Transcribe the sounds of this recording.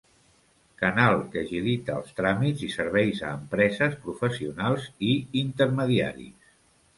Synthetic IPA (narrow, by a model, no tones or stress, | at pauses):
kənalˠkəʒilit̪ə̰ːlˠst̪ɾamidzisəɾβɛjzəːmpɾɛzəspɾufəsiunalˠziint̪əɾməðia̰ɾḭs